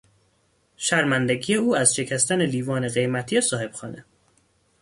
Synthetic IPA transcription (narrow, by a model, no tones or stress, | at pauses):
ʃæɾmænd̪eɡije̞uːæzʃe̞cʰæst̪æneliːvɒːneɣe̞jmæt̪ʰiesɒːhe̞b̥xɒːne